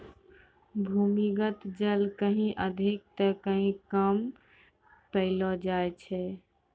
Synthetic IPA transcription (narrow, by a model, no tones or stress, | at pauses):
bʱumiɡət̪d͡ʒəlkəɦĩʔəd̪ʱik̚t̪əkəɦĩkəm | pəɪlɔd͡ʒajt͡ʃʰɛ